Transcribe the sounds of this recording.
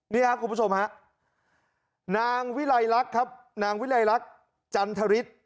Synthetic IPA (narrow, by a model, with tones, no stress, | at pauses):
niː˦˥˩kʰa˦˥ku˧mbu˦˥t͡ɕʰo˧mɦa˦˥ʔ | naː˧ŋwi˦˥la˧jɾa˦˥kʰːa˦˥p̚ | naː˧ŋwi˦˥la˧jɾa˦˥k̚ | t͡ɕa˧nt̪ʰa˧ɾi˦˥t̪̚